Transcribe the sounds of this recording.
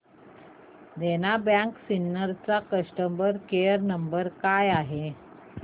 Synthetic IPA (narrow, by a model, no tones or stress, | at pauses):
d̪enabjãksinːəɾt͡sakəsʈəmbəɾkeəɾnəmbəɾkajaɦe